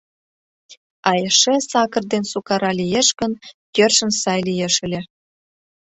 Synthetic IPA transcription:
ɑjeʃesɑkə̆rd̪ensukɑɾɑlijeʃɡənkørʃə̆nsɑjlijeʃə̆lʲĕ

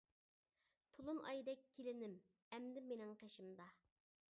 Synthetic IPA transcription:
t̪ʰulˠunʔɑ̰jd̪ɛkʲʰːelɪnɪm | ɛmd̪ɪmːenɪŋqʰeʃɪmd̪ɑ

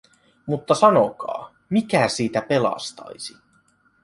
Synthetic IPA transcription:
mut̪ːɑsɑnokɑ̰ː | mikæsiːt̪æpe̞lɑ̰st̪ɑ̰jsi

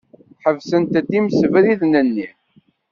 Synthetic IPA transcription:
ħəvsənt̪æd̪imsəvɾiðnənːi

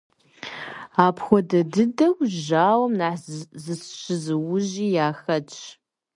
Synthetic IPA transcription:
aːpʰxʷɔdɐdɨdɐwʒaːwɐmnaħzɨsɕɨzɨwʊʑiːjaːxɐt͡ʃʰʼ

